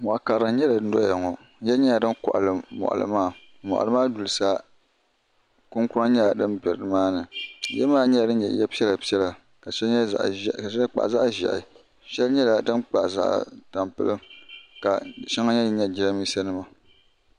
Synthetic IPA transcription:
mɔ˨ʔa˨ka˨ɾɨ˨˦ɲɛ˦la˨n̩˦dɔ˦ja˨ŋɔ˨˦ | jɛ˦ɲɛ˦ja˨dɨ˦nkɔ̰˨ʔa̰˨lɨ˨mɔ̰˨ʔa̰˨lɨ̰˨maː˦˨ | mɔ̰˨ʔa̰˨lɨ˦maː˦du˨lɨ˨sa˦ | kʊ˦ŋkʊ˦a˦ɲɛ˦a˨dɨ˦nbɛ˨ɾɨ˨dɨ˨maː˦nɨ˨˦jɛ˦maː˦ɲɛ˦˨dɨ˦n˦ɲɛ̰˨jɛ˦pi˦ɛ˦la˨pi˦ɛ˦la˨ | ka˨ʃɛ˦˨ʔʃɛ˦la˦k͡pa̰˨ʔza˦ʔʒɛ̰˨ʔɪ̰˨ | ʃɛ˦lɲɛ˦la˨dɨ˦nk͡pa˨ʔza̰˦ʔta˨mpɨ̰˦lɨ˦mka̰˨ʃa˦ŋa˦ɲɛ˦ɲɛ˦d͡ʒi˦la˦miː˦sa˦nɨ˦ma˨

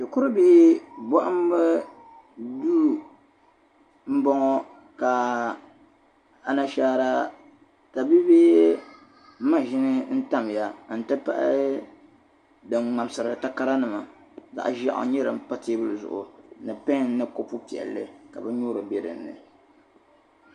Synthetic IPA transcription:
dɨ˨kʊ˦ɾɨ˦biː˦bɔ˦ʔa˦m˦bɛ˦ | du˦ | m̩˦bɔ˦ŋɔ˦ | ka˨ | a˨na˨ʃaː˦ɾa˦ | ta˨bi˦beː˦ | ma˦ʒɪ˦nɨ˦n̩˦ta˦m˨ja˨n̩˨tɨ˦pa̰˦ʔ | dɨ˨ŋ͡ma˨m˦sɨ˨ɾɨ˨ta˦ka˦ɾa˦nɨ˨ma˨ | za̰˨ʔʒa˦ʔʊ̰˨ɲɛ˦ɾɨ˨m˦pa˦teː˦bɨ˦lzʊ̰˨ʔʊ̰˨nɨ˨pa˦˨n˦nɨ˦ko˦pu˦pi˨ɛ̰˨lːɨ̰˦ka̰˨bɨ˦ɲo˦ɾɨ˨be˨ɾɨ̰˨n̩ː˦ɨ̰˨

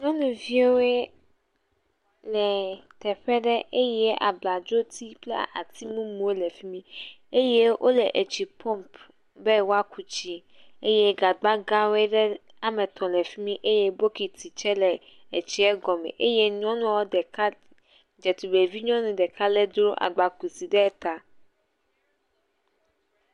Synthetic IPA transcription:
ɲɔ̃˦nũ˨vi˦e˦we˦ | lɛ˨t̪ɛ˨ɸɛ˦ɖɛ˦ʔe˦je˦ʔa̰˨bla˨d͡ʒo˦t̪i˦plɛ̰˦a˨t̪i˦mũ˦mũ˨˦e˦lɛ˨fi˦mĩ˦ | e˦je˦ʔo˦lɛ˨ʔe˨t͡ɕi˨pɔ˦mp | be˦wo˦a˦ku˨t͡ɕi˦ | e˦je˦ɡa˨ɡ͡ba˦ɡã˦we˦ɖɛ˦ | a˨mɛ̃˨t̪ɔ̃˨lɛ˨fi˦mĩ˦ʔe˦je˦bo˦ki˨t̪i˨t͡ʃɛ˦lɛ˨ | e˨t͡ɕi˦ɛ˦ɡɔ˨mɛ̰̃˨ʔe˦je˦ɲ˦ɔ̃˦nũ˦a˨wo˦dɛ˨ka˦ | d͡ʒɛ˨t̪u˨be˨vi˦ɲɔ̃˦nũ˨ɖɛ˨ka˦lɛ˦d̪ɾo˦ʔa̰˨ɡ͡ba˨ku˨si˨ɖɛ˦t̪a˦

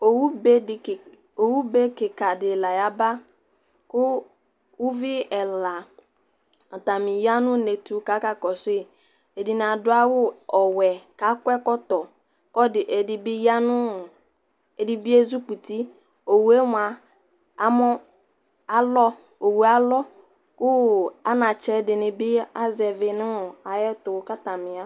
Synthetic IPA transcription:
o˨wu˦be˦ɪ˨ | o˨wu˦be˦kɪ˨ka˨dɪ˨la˨ja˦ba˦ | kʊ˦ | wʊ˦vɪ˦ɛ˨la˨ | ɔ˨ta˨mĩ˨ja˦nʊ̃˦ne˨tu˦ka˨˦ka˨kɔ˨sʊ˦e˦˨ | e˨di˨n˨a˨dʊ˦a˦wʊ˦ɔ˨wɛ˨ka˨˦kʷɛ˦kɔ˦tɔ˨ | kɔ˦dɪ˨ʔe˨dɪ˨bɪ˦ja˦nʊ̃˦ | e˨di˨bi˦e˦zu˦k͡pu˨ti˦ | o˨wu˨˦e˦m˨a˨ | a˦mɔ˦ | a˦lɔ˦ | o˨wu˨a˦lɔ˦ | kʊ˦a˦nã˨t͡ʃɛ˦dɪ˨nɪ̃˨bɪ˦a˦zɛ˨vɪ˨nɪ̃˦ʊ˨a˨jɛ˦tʊ˨˦ka˦ta˨mɪ̃˨a˦

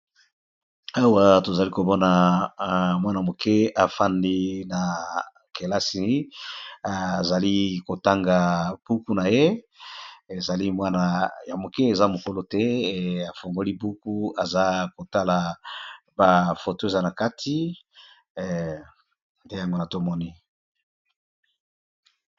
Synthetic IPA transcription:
a˦wa˨to˨za˨li˦ko˨bɔ˦na˨ | mwa˦na˨mo˨kʰe˦a˨fa˦ndi˦na˨ | ke˨la˦si˨˦˨ | za˨li˦ko˨ta˦ŋɡa˨b̥u˦ku˦na˨je˦ | e˨za˨li˦mwa˦na˨ja˨mo˨ke˦e˨za˦mo˨ko˦lo˦tɛ˦a˨fo˨ŋɡo˦li˦bu˦ku˦a˨za˦ko˨ta˦la˨ | ba˨fo˨to˦e˨za˦na˨ka˦tʰi˦ | nde˦ja˨ŋɡo˦na˨to˦mɔ˦ni˦

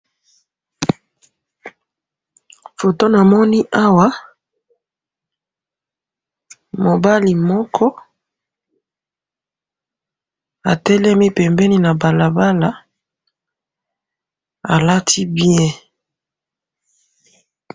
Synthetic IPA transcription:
fo˨to˦na˨mɔ˦ni˦ʔa˦wa˦ | mo˨ba˦li˨mɔ˦kʰɔ˦ | a˨tɛ˦lɛ˦mi˦pɛ˨mbɛ˦ni˦na˨ba˨la˨ba˦la˦ | a˨la˦tʰi˦bjɛ̃˦

